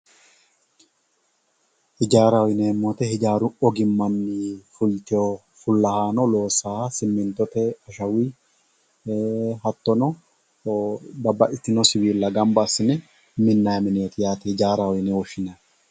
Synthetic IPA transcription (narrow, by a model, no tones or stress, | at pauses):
hɪd͡ʒaːɾɐwɔjɪneːmːɔt̪ɛhɪd͡ʒaːɾʊɔɡɪmːɐnːifʊlt̪ɛo | fʊlːɐhaːnɔlo̞ːsaːhasɪmːɪnt̪ːɔt̪ɛɐʃɐwi | hɐt̪ːɔnɔ | bɐbːɐʔɪt̪ːɪnɔsɪwiːlːɐɡɐmbɐsːɪnɛ | mɪnːajmɪneːt̪ɪjaːt̪ɛhɪd͡ʒaːɾawɔjɪnɛwɔʃɪnɐ